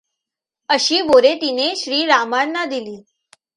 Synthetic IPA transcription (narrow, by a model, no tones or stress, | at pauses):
əɕiːboɾet̪ineɕɾiːɾamanːad̪iliː